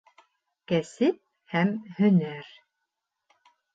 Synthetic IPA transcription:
kæsɘp̚ | hæmhɵ̆næɾ

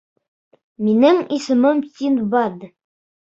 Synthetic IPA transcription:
minɘŋisɘ̆mɤmt̪ʲinbɑd̪

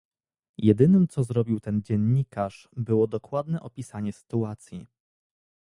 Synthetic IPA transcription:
jɛd̪ɘnɘmt̪sɔzɾɔbʲiwt̪ɛnd͡ʑɛnːikaʂ | bɘwɔd̪ɔkwad̪nɛʔɔpʲisaɲɛsɘ̥t̪uat̪sʲji

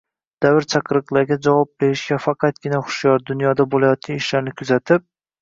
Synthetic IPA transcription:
d̪̥avɪɾt͡ʃʰɑqʰɾɨqlˠaɾɡʲad͡ʒavɒp̚be̞ɾɪʃɡʲafɑqʰɑt̪̚ɡʲɪnaχʊ̥ʃjɒɾd̪ʊnjɒd̪abolajɒt̪̚kʲanɪʃlaɾnɪkʰʊzat̪ʰɪp̚

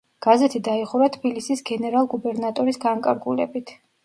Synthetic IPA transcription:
ɡ̥azɛt̪ʰid̪aiχuɾat̪ʰbilisisɡɛnɛɾalˠɡubɛɾnat̪ʼɔɾisɡaŋkʼaɾɡulɛ̰bit̪ʰ

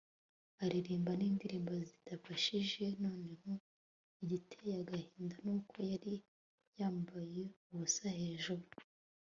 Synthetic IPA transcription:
aɾiɾiːmbaniːndiɾiːmbazidafaʃiʒe̞no̞ːne̞ho | iɟitʰejaɡahiːndanuːkʰo̞jaɾi | jaːmbaje̞uβusahe̞ːʒuɾu

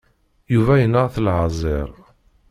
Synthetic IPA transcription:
juvæjənːəʁθəlʕɑzˤɪ̰ɾˤ

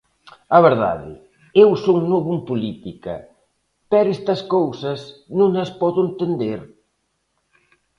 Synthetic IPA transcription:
ɐβeɾða̰ðɪ̰ | ewsoŋnoβumpulit̪ikɐ̰ | pɛɾest̪ɐskowsɐsnũŋɐspɔðʊent̪end̪eɾ

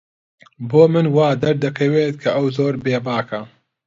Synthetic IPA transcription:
boːmɨnwaːd̪ɐɾd̪ɐkʰɐweːt̪̚kʰɐʔɐwzoːɾbeːbaːkʰɐ

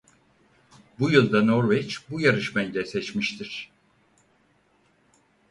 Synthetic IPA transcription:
bujɯlˠd̪ano̞ɾvet͡ʃbujaɾɯʃmɛnlʲɛsɛt͡ʃmiʃt̪ʰiɾ̥

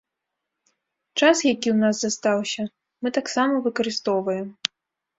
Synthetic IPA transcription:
t͡ʂasjakʲiwnazːast̪awsʲɐ | mɨt̪aksamɐvɨkɐɾɨst̪ɔwvɐjɛm

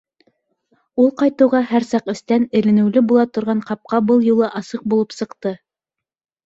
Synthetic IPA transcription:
ulˠqɑjt̪ɤ̆wʁɑhæɾsɑqɘ̆st̪ænɘ̆lɘ̆nɘ̆wlɘbulˠɑt̪ŏɾʁɑɴqɑp̚qɑbɤlˠjulˠɤʔɑsɤq̚bulˠɤpsɤ̆qt̪ɤ

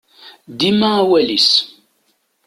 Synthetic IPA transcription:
d̪imæːwælis

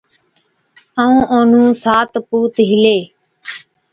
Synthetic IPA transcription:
əũːʔoːn̤ũːsaːt̪puːt̪ɦɪleː

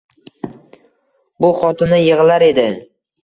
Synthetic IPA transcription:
bʊχɒt̪ʰɪnɪjɨʁɨlaɾe̞d̪ɪ

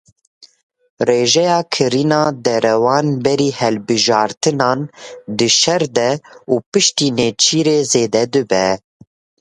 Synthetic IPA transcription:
reːʒɛjɑːkʰɨɾiːnɑːd̪ɛɾɛwɑːnbɛɾiːhɛlbɨʒɑːɾt̪ɨnɑːnd̪ɨʃɛɾd̪ɛuːpɨʃt̪iːneːt͡ʃʰiːɾeːzeːd̪ɛd̪ɨbɛ

